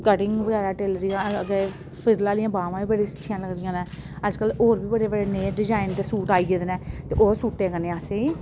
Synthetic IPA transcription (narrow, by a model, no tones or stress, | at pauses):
kəʈɪŋɡbəɡɛːɾaːʈeːlɾːãːəɡe | pɪɾlaːlɪjãːbaːʋãːiːbəɽeːsətːʃʰɪjãːləɡɾɪjãːnɛː | əd͡ʒkəloːɾbiːbəɽeːbəɽeːneːɖɪd͡ʒaːɪnd̪eːsuːʈaːiːɡed̪nɛːt̪eːʔoːsuːʈːeːkəneːaseːiː